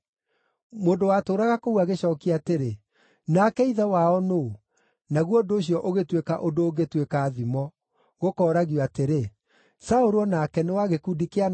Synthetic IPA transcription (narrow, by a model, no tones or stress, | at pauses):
moːndowatoːɾaɣakouaɣeɕɔːkiateɾe | nakɛiðɛwaɔno | naɣwɔdoːɕijɔʔoɣetwekaʔodoːɣetwekaːðimɔ | ɣokɔːɾaɣjɔateɾe | saoɾɔnakɛnewaɣekudikean